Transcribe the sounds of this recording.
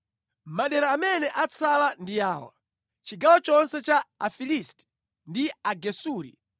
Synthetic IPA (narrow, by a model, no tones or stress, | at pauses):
maɗɛɾaːmɛnɛʔat͡sʰalandijaːwa̰ | t͡ʃiɡawɔt͡ʃɔnsɛt͡ʃaafilistɛ̥ | ndiaɡɛsuːɾḭ